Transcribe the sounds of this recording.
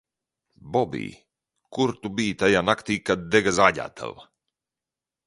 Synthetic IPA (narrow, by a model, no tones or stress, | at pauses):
bɔbḭː | kuɾt̪ubiːt̪ajanakt̪iːkad̪̚d̪ɛɡazaːɟa̰ːt̪ʰa̰lˠ